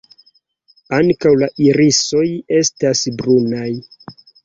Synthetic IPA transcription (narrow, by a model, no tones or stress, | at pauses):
aŋkawlaʔiɾiso̞je̞stasbɾunaj